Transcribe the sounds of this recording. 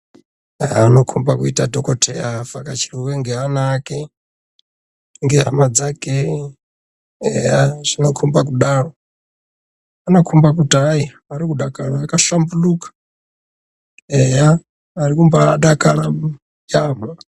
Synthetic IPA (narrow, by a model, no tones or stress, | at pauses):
aanokʰumbakuitadɔkɔtʰɛafakat͡ʃʰiɾuwɛŋɡɛanakɛ | ŋɡɛɦa̰mad͡zakɛ | ɛjaz̥inokʰumbakuɗaɾo | anokʰumbakutaji | aɾikuɗakaɺaːkaʃambulukḁ | ɛjaː | ɾikumbaːɗakaɺa | jama